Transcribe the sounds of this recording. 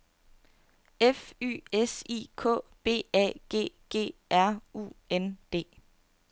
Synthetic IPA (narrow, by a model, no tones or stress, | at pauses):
efy̰ːesḭkʰɔ̰̽ːb̥e̝̰ːɛ̰ɡ̥e̝̰ːɡ̥e̝̰ːʔæɐ̰ṵend̥e̝̰ː